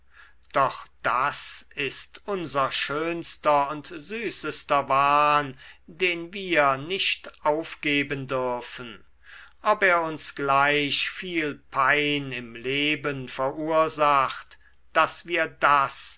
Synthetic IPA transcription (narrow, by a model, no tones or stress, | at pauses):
d̥ɔχd̥asɪstʔʊnzɐʃøːnstɐʊntzyːsəstɐvaːndeːnviːɐnɪʃtʔaʊfɡ̥eːbəndʏɐfən | ʔɔpeːɐʊnsɡ̥laɪʃfiːlpʰaɪnɪmleːbənfɛɐʔuːɐzaxt | d̥asv̥iːɐdas